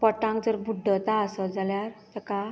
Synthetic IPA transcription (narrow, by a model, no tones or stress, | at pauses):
pəʈãŋkd͡zəɾbud̪ʱːət̪aəsəd͡zaljaɾt̪əka